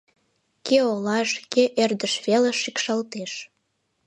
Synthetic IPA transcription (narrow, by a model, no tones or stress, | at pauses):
keolɑʃkeʔerd̪əʃβeleʃikʃɑlt̪eʃ